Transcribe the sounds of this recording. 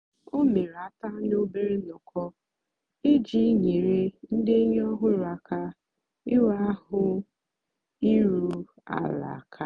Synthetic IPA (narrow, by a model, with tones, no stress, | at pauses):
o˦me˨ɾa˨˦ta˦no˦be˦ɾe˦nʊ˨kʰɔ˦ | ɪ˦d͡ʒi˦ɲe˨ɾe˦n̩˦dɪ˦ɲ˦ɔ˦ɦʊ˦ɾa˨ka˦ | ɪ˦wa˦a˦hʊ˦ | i˦ɾu˦ | a̰˦la̰˨a˨kʰa˦